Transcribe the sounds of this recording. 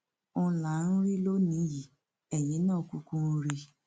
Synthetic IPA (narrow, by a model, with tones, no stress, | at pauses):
ʊ̃˧la˨˦n̩˦ɾi˦lo˦nĩ˨˦ji˨ | ɛ˨jĩ˨˦nãː˦˨ku˧kũ˦ɾi˧